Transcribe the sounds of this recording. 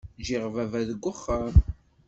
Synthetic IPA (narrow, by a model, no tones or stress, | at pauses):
ʒɪʁvævæðəɡʷːəχːam